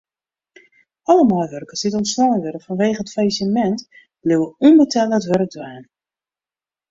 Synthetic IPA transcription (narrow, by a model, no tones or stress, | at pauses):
ɑləmɔjʋørkəsditɔntslɔwəʋøɾəfɔnʋeːɣəətfajisəmɛnt | b̥lɪwəunbətʰɛləətʋøɾək̚dwaːn